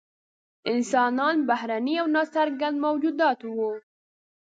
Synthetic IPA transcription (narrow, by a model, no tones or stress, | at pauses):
ʔɪnsɑːnɑːnbahɾanijawnɑsaɾɡanmɐwd͡ʒuːd̪ɑːt̪wo